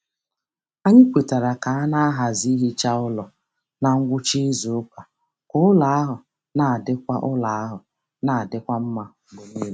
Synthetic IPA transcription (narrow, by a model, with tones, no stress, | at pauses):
a˦ɲɪ˦kʷe˨ta˨ɾa˨ka˨a˦na˦a˦ɦa˨zi˦ɦi˦t͡ʃa˦ʊ˦lɔ˨ | na˨ŋ̩˦ɡʷʊ˦t͡ʃi˦zʊ˨ʊ˦ka˨ | kʊ˦ʊ˦la˨˦a˦ɦʊ˨ | na˨a˨dɪ˦kʷa̰˦ʔʊ˦la˨a˦ɦʊ˨ | na˨dɪ˦kʷa˦m̩˦ma˦bo˨ni˦l